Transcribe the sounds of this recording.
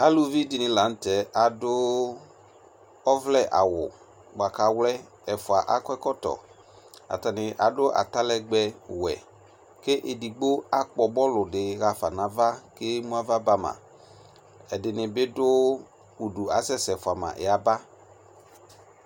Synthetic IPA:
a˦lu˦vi˦di˨nɪ̃˨la˨˦n̩˦tɛ˨a˨dʊ˦ | ɔ˦vlɛ˦˨ʔa̰˨wʊ̰˨ | ɡ͡ba˨ka˨˦wlɛ˦ | ɛ˨fʊ˨a˨ʔa˦kɔ˦ɛ˦kɔ˦tɔ̰˨ | a̰˨ta˨nɪ˨ʔa˨dʊ˦ʔa̰˨ta˦lɛ˦ɡ͡bɛ˨˦wɛ̰˨ | ke˦ʔe˨di˨ɡ͡bo˦a˦k͡pɔ˨bɔ˦lʊ˨dɪ˨ɣa˨fa˨nã˨˦va˦ke˦mũ˦a˦va˦ba˦mã̰˨ | ɛ˨dɪ˨nɪ˨bɪ˦dʊ˦ | u˨du˨a˨sɛ˦sɛ˨fʊ˨a˨mã̰˨ʔɪ̰˨˦a˨˦ba˦

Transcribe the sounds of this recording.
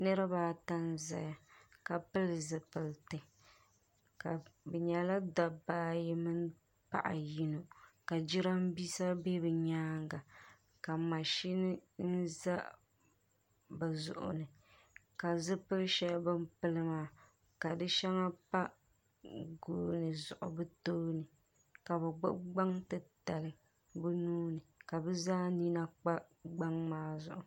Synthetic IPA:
nɨ˦ɾɨ˦baː˦ta˦nza̰˨ja˨ka˨pɨ˦lzɨ˨pɨ˨ltɨ˨ | ka˨bɛ˨ɲɛ˨la˦da˨baː˦ji˦mɨ˦n | pa̰˦ʔa̰˨ji˦no˨ka˨d͡ʒi˦ɾa˦m˦bi˦sa˦be˦bɨ˨ɲaː˦ŋɡa˨ | ka˨ma˨ʃi˦nɨ˦n̩˦za˦ | ba˨zʊ̰˨ʔʊ̰˨nɨ˨ | ka˨zɨ˦pɨ˦ɾʃɛ˦lbɨ˦m˦pɨ˦lɨ˦maː˦˨ | ka˨dɨ˦ʃɛ˦ŋa˦pa˦ | ɡoː˦nɨ˨zʊ˨ʔʊ̰˨bɨ˦toː˦nɨ˨ | ka˨bɛ˨ɡ͡bʊ̰˦ɡ͡ba˦ŋtɨ˨ta˨lɨ˨ | bɨ˦nuː˦nɨ˨ka˨bɛ˦zaː˦ni˦na˦k͡pa˦ | ɡ͡ba˦ŋmaː˦zʊ̰˨ʔʊ˨

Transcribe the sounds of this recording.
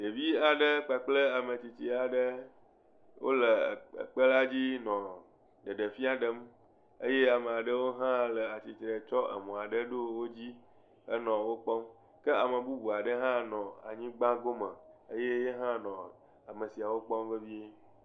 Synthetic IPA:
de˨vi˦a˨ɖə˦k͡pa˨k͡plə˦a˨mə̃˨t͡ɕi˨t͡ɕi˨a˨ɖə˦ | wo̰˦lə˨ə̰˨k͡pə˦la˦d͡ʑi˦nɔ̃˨ | ɖə˨ɖə˨fi˦a˨ɖə˦m | ə̰˦je˦a˨mə̃˨a˨ɖə˦wo˦ɦã˦lə˨a˨t͡ɕi˨t̪ɾe˨t͡ʃɔ˦ʔə̰˨mɔ̃˨a˨ɖə˦ɖo˦wo˦d͡ʑi˦ | ə˦nɔ̃˨wo˦k͡pɔ˦m | kə˦a˨mə˨bu˦bu˨a˨ɖə˦ɦã˦nɔ̃˨a̰˨ɲĩ˦ɡ͡bã˦ɡo˦mə̃˨ə˦je˦je˦ɦã˦nɔ̃˨ | a˨mə̃˨si˨a˨wo˦k͡pɔ˦mvə˦vi˦e˦

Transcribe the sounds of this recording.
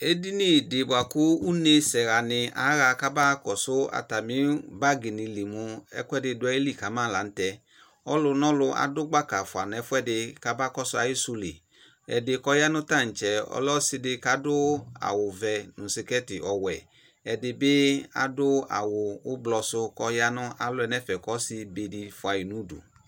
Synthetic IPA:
e˦di˦ni˦˨de˨bwa˨kʊ˦u˦ne˧sɛ˨ɾa˨nɪ˧a̰˨˦ɣa˧ka˦ba˦kɔ˨sʊ˦a̰˧ta˨mĩ˨˦ba˦ɡi˨ni˧li˨mũ˧ɛ̰˧kʊ˦ɛ˦dɪ˧dʊ˧˦ɛ˦i˦li˦˨ka˨˦mãː˦la˨˦n̩˦tɛ˧ | ɔ˦lʊ˧nɔ˦lʊ˧ʔa̰˧dʊ˦ɡ͡ba˦ka˨fʊ˨a˨n˨ɛ˧˦fʊ˦ɛ˦˨dɪ˧ka˧˦ba˦kɔ˦sʊ˧˦a˧ji˦su˧lḭ˨ | ɛ̰˨dɪ˧kɔ˧ja˦nʊ˦ta˦˨n̩˨t͡ʃɛ˨ɔ̰˨˦lɔ˦sɪ˧dɪ˧ka˨˦dʊ˦a̰˨wʊ˨vɛ˨nʊ̃˨sɪ˧kɛ˦tɪ˨ʔɔ˨wɛ˨ | ɛ˨dɪ˧bɪ˦a̰˨dʊ˦a̰˨wʊ˨ʊ˦blɔ˧sʊ˧kɔ˧ja˦nʊ˦ʔa˨lʊ˦ɛ˧nɛ˦fɛ˨kɔ˨˦sɪ˧be˧di˧fʊ˨a˨ji˨nu˦dṵ˨

